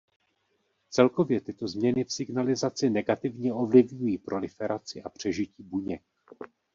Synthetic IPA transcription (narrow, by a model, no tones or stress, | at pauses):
t͡sɛlko̞vjɛt̪ɪt̪o̞zmɲɛnɪfsɪɡnalɪzat͡sɪnɛɡat̪ɪvɲɛʔo̞vlɪvɲujiːpɾʔo̞lɪfɛɾat͡sɪʔapr̝̥ɛʒɪciːbuɲɛk